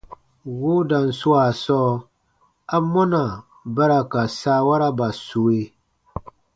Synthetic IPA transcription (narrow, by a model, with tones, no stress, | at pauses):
wʊ˦da˨n̩˨sʊ˦a˨sɔ˦ | a˦mɔ˦na˨ | ba˦ɾa˨ka˨saː˦wa˦ɾa˦ba˨su˨e˦